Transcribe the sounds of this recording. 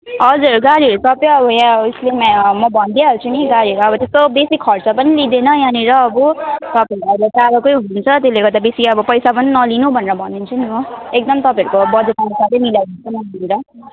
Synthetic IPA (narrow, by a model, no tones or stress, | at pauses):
ʌd͡zuɾɡaɽiɦʌɾusʌpjeʌbʌjãuslemamʌbʱʌnd̪iaɦʌɾut͡sʰuniɡaɾiʌɾuʌbʌt̪est̪obesikʰːʌrt͡sʌpʌnilid̪enʌjãniɾʌːbut̪ʌpaɾuʌbat͡saɾʌkojɦununt͡sʰʌt̪eleɡʌɾd̪abesiʌbʌpʌjsapʌninʌlinubʱʌneɾʌbʱʌnd̪int͡sʰunioek̚d̪ʌmt̪ʌpãɦʌɾukobʌd͡zet̪anosat̪emiljawd̪unt͡sʰʌmainɾʌ